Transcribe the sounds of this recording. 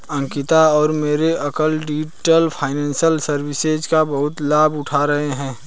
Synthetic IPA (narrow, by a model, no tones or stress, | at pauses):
ɐ̃ŋkɪt̪aɔːɾmeːɾeʔɐkəlɖid͡ʒʈəlpʰaːɪnɛ̃ːnsəlsəɾwɪsed͡ʒkabɐɦʊt̪laːbʊʈʰaɾɐɦeɦɛ̃ː